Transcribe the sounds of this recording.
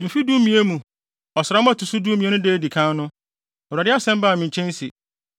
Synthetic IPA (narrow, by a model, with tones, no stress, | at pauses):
dũ˨fi˦du˦mĩ˨e˦mũ˨ | ɔ˨sɪ˨ɾa˦mʊ̃˦a˨tu˨su˦duː˦mĩ˨e˦nʊ̃˦deː˦di˨kʰã˦n˦nʊ̃˦ | ɔ˨a˨dɪ˦a˦sɛ̃˦m˦baː˦˨mɪ̃˨ɲ̩˨t͡ɕʰɛ̃˦n˦si˨